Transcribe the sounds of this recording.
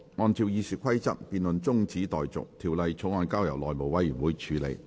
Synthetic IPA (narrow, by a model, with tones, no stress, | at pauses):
ŋɔː˧nt͡siː˧wjiː˧syː˨˩kʷʰɐ˥jt͡sɐ̰˥k̚piː˨˧nlɵ˨nt͡sʊ˥ŋt͡siː˨˥t̪ɔː˨jt͡sʊ̰˨k̚t̪ʰiː˨˩wlɐ˨˧jt͡ʃʰʊ˨˥ŋɔː˧nkaː˥wjɐ˨˩wlɔː˨jmo˨wɐ˧˥jːyː˨˩nwuː˨˥jt͡ʃʰyː˨˧˥lḛ˨˧j